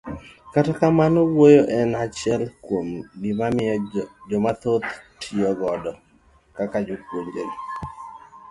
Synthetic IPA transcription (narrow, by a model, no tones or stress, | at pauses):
katakamanowojoʔɛnat͡ʃɛlkwomɡɪmamɪɔd͡ʒɔmat̪ot̪tʰiɔɡɔdɔ | kakad͡ʒokwoŋɡol